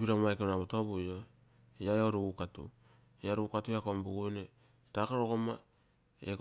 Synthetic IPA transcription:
biɾamajkenaβutoβuo | jajoɾuukatṵ | eaɾuukatuakombuɡujne | takaɾoɡoma | ḛk

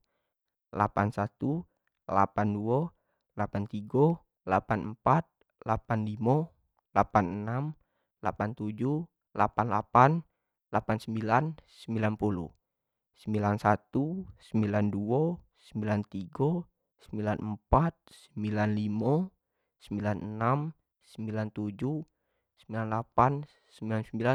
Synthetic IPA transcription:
la̰pansat̪u | la̰panduɔ | lapant̪iɡɔ | lapanəmpat̪̚ | lapanlimɔ | lapanənam | lapant̪ud͡ʒu | la̰panlapan | lapansəmbilansəmbilanpulṵ | səmbilansat̪usəmbilanduɔsəmbilant̪iɡɔ | səmbilanʔəmpat̪̚səmbilanlimɔ | səmbilanənam | səmbilant̪ud͡ʒu | səmbilanlapan | səmbilansəmbila

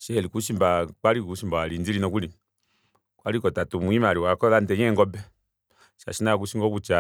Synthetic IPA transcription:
ʃɛlikuʃimbakwalikuʃimbaalind͡zilinɔkuli | kwalikɔtatumuimaɾiwakɔlandɛɲɛŋɡɔbɛ | ʃa̰ʃinak̬uʃiŋɡɔkut͡ʃa

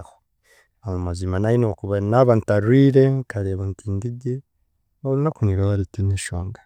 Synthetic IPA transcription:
ho | amumazimanajinokuβanaβantaɾwiːɾekʰaɾeβantiːndide | oɾinakuniɾawaɾitineʃoːŋɡḁ

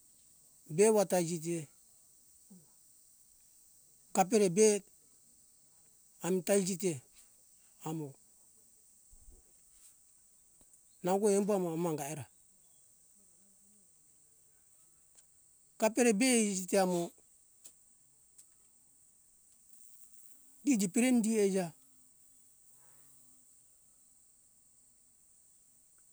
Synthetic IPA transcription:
bewataid͡ʒit̬e | kap̬eɾebet | amitaid͡ʒit̬e | amo | naɡoembuamoamaŋɡaeɾa | kapeɾebesiteamo | did͡ʒipiɾendied͡ʒa

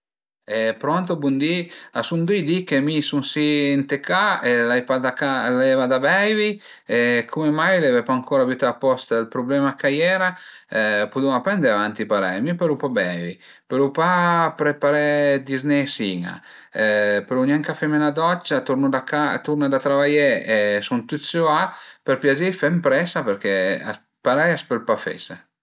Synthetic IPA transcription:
ɛpɾoant̪obund̪iasund̪ujd̪ikemisunsiːnt̪ekaelajpad̪akalɛvad̪abɛjvi | ekʰumemajlevɛpaŋkʰoːɾavjut̪aapɔst̪aelpɾoblɛːmakajɛːɾa | pud̪unapɛnd̪eavant̪ipaɾɛ̰jmipaɾupabɛjvi | peɾupapɾepaɾɛd̪iznɛsiŋa̰ | peɾunaŋkafɛmenad̪ɔt͡ʃːat̪uɾnud̪akat̪uɾnad̪at̪ɾavajɛɛsunt̪ut̪suapeɾpjad͡ʒifɛmpɾɛsapeɾkɛa̰ | paɾɛjaspelpafɛ̰sa

